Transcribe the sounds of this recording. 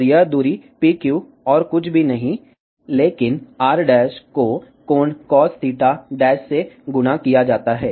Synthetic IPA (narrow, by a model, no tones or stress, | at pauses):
ɾɪjad̪uːɾipiːkjuː | ɔːɾkʊt͡ʃʰbʱinɐɦĩ | leːkɪnaːɾɖɛːʃko | koːnkɔːst̪ʰiːʈaɖɛːʃseɡʊnakijad͡ʒaːt̪aɦɛː